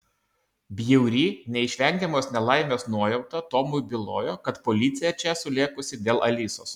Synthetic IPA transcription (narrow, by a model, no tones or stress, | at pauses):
bʲjɛʊɾʲiːnʲɛɪʃʲʋʲɛŋʲɡʲɛmoːsnʲɛlˠɐɪmʲoːsnuɔjɛʊt̪ɐt̪ɔmʊjbʲɪlˠo̰ːjoːkɐt̪pɔlʲɪt̪sʲɪjɛt͡ʃʲɛsʊlʲeːkʊsʲɪd̪ʲeːlˠʔɐlʲiːso̰ːs